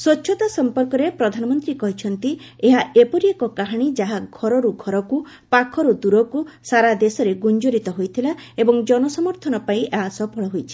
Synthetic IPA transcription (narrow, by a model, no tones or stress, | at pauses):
swɔtːʃʰɔt̪asɔmpɔɾkɔɾepɾɔd̪ʱanɔmɔnt̪ɾikɔɦit͡ʃʰɔnt̪ieɦaʔepɔɾiekɔkaɦaɽ̃id͡ʒaɦaɡʱɔɾɔɾuɡʱɔɾɔku | pakʰɔɾud̪uɾɔkusaɾad̪esɔɾeɡund͡ʒoɾit̪ɔɦojt̪ʰilaebɔŋd͡ʒɔnɔsɔmɔɾt̪ʰɔnɔpaĩʔasɔpɔɭɔɦojt͡ʃʰi̥